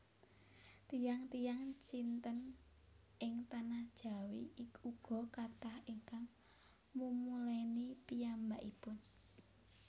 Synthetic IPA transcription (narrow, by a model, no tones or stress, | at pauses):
t̪ijaŋt̪ijaŋt͡ʃint̪ən | ʔɪŋt̪anahd̥ʒ̥a̤wiːkuɡ̥ɔ̤kat̪ahiŋkaŋ | mumulɛnipijambaʔipʊn